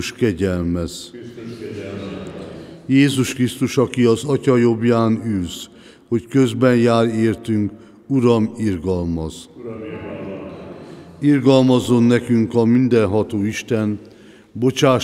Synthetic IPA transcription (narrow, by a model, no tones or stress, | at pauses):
ʃkɛɟɛlmɛz | jeːzuʃkrist̪uʃɒkiɒzɒcɒjo̞bjaːnyls | ho̞ckø̞zbɛnjaːɾeːrt̪yŋk | uɾɒmirɡɒlmɒz | irɡɒlmɒzo̞nːɛkyŋkɒmind̪ɛnɦɒt̪oːiʃt̪ɛn | bo̞t͡ʃaː